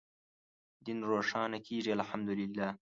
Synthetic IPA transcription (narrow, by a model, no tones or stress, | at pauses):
d̪inɾoːʂɑːnakʰiːʐialħamd̪ʊlɪlːaː